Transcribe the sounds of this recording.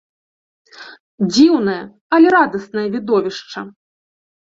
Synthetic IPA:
d͡zʲiwnɐjɐ | ɐlʲɛɾad̪ɐsnɐjɐvʲid̪ɔvʲiʂt͡ʂɐ

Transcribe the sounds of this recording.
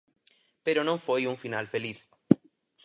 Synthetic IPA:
peɾonõɱfojuɱfinalfeliθ

